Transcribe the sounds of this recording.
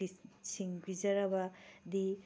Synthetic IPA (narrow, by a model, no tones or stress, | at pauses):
isiŋbʱizɐɾɐbɐd̪i